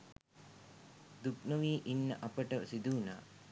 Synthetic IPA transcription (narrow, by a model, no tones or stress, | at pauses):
d̪uknəʋiːʔinːə̰ʔapəʈəsid̪uːna̰ː